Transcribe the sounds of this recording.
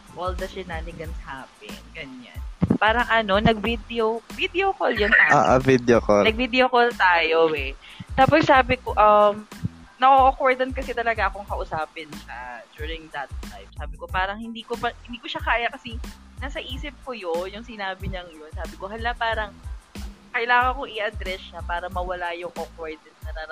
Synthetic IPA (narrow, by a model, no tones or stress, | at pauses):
ʔold̪ɐsɛnalɪɡɐnshaːpɪ̰nɡɐɲa̰npaːɾɐŋʔɐno̞nɐɡ̚vid̪ɛovid̪eokoljont̪aa̰ːʔa̰vid̪okonɐɡ̚vid̪ɛokolt̪aːjowɛ | t̪aːpossaːbɪkoʔɐm | nɐʔoʔokoɹd̪ɐnkɐsɛt̪ɐlɐɡaʔɐkoŋkɐʔʊsaːpɪnʃad͡ʒuːɹɪŋd̪ɐt̪̚ːajb̥̚saːbɪkopaːɾɐŋhɪnd̪iːkopɐhɪnd̪iːkoʃakaːjɐkɐsɛ | naːsɐʔiːsɪp̚kojonjʊŋsɪnaːbɪɲɐŋɐjonsaːbɪkohɐllapaːɾɐŋ | kɐʔɪlaːŋɐnkoŋʔɪʔɐd̪ɾɛsːapaːɾɐmɐwɐlaːjʊŋʔokoɹd̪ɐnsnɐnaɾ